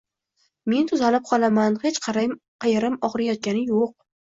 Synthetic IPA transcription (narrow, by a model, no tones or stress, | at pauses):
me̞nt̪ʰʊzalɪp̚qʰɒlˠamanhe̞t͡ʃqʰɑɾaj | qʰɑjaɾɪmɒʁɾajɒt̪̚ɡʲanɪjoq̚